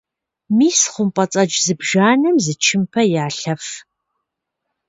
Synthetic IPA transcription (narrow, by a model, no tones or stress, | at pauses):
miːsχʷʊmpʼɐt͡sʼɐd͡ʒzɨbʒaːnɐmzɨt͡ʃʰɪmpʰɐjaːɬɐf